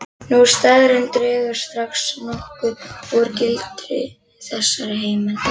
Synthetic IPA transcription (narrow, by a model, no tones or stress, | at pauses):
nu̥st̪aːðɾɪnt̪ɾɛːɣʏɾ̥st̪ɾaxsnɔhkʏɔɾcɪlt̪ɾɪ̰ | θɛsːaɾɪheːjman